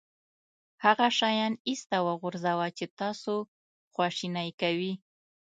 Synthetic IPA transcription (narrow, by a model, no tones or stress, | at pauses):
haɣaʃɑjɑnist̪awəɣʊɾzawat͡ʃet̪ɑso | xwɑʃinajkawi